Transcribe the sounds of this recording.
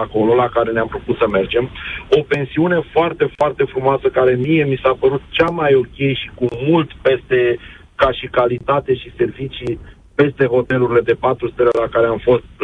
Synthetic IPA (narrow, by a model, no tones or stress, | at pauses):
ako̞lo̞lakaɾe̞neampɾuput̪səme̞rd͡ʒe̞mo̞pe̞nsiune̞foart̪e̞foart̪e̞fɾumoasəkaɾe̞mije̞misapəɾut̪t͡ʃamajo̞kʲe̞jʃikumult̪pe̞st̪e̞ | kaʃikalit̪at̪e̞ʃise̞rvit͡ʃi | pe̞st̪e̞ɦo̞t̪e̞luɾile̞d̪e̞pat̪ɾust̪elelakaɾeamfo̞st̪̚